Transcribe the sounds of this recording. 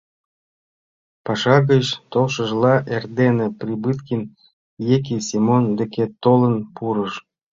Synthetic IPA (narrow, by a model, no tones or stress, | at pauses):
pɑʃɑɣət͡ɕt̪olʃə̆ʒlɑʔerd̪enĕprʲibɨt̪kʲin | jek̬ʲisʲimond̪ĕket̪olənpuɾəʃ